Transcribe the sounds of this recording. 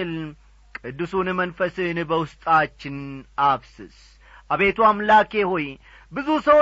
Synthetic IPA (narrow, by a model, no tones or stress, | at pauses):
ɨl | kʼɨd̪ːɨsunmənfəsɨnbəwʊst̪ʼat͡ʃːɪnaβsɨs | ʔaβe̞t̪ʰuamlakehoj | bɨzusəw